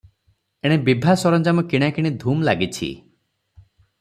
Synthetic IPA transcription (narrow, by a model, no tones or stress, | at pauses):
eɽ̃ebibʱasɔɾɔnd͡ʒamɔkiɽ̃akiɽ̃id̪ʱumlaɡit͡ʃʰḭ